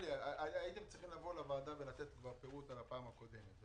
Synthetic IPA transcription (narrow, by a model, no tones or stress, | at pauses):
liaaaait̪emt͡sʁiχimlavolavaːd̪avelat̪et̪ɡvaʁpeʁutalapaːmako̞d̪em